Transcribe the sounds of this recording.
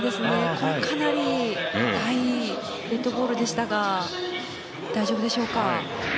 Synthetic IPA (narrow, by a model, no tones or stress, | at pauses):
d̪e̞sɨne̞kʰokʰanaɾʲid̪ai | ɾe̞t̪ːo̞bo̞ːɾɯ̟d̪e̞ɕi̥t̪aɡa | d̪̥aiʑo̞bɯ̟d̪e̞ɕo̞ːka